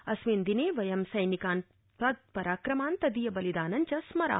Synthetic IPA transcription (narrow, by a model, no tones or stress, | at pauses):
ɐsʋeːnd̪ineːʋɐjɐmsɐjnikaːn | pɐd̪̚pɐɾaːkɾɐmaːnt̪ɐd̪ijɐbɐlid̪aːnɐɲt͡ʃɐsmɐɾa̰ː